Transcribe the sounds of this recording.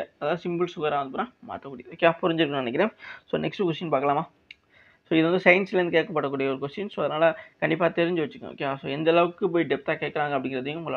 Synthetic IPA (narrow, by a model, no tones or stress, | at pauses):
ɐðaːðɯsɪmbɯlsʊɣaːɾaːʋɐnd̪ɯpoːnãːma̰ːʈːɐkuːɽɪjɐoːkːeaːpʊɾɐɲd͡ʒɪɾɯkːɐ̃ɳnɐnɛkːɪɾẽːsoːnɛksʈɯkʊsʈinpaːɾkɐlaːmaː | soːɪðɯʋɐnd̪ɯsɐɪnsɪlɐɾnɯkeːʈkːɐpːɐʈːɐkːuːɽɪjɐɔɾɯkʊsiːnsoːɐðɐɾnaːlɐkɐɳɖɪpːaːt̪ɛɾɪɲd͡ʒɯʋɐt͡ʃːɯ̥kːɐ̰o̰ːkːeaso̰ːɛnd̪ɐːlɐʋɯkːɯp̬oːjɖɛp̚t̪aːkeːʈkːɐɾaːŋɡɐpːɐɽɪŋɡɪɾɐðiɐŋɡa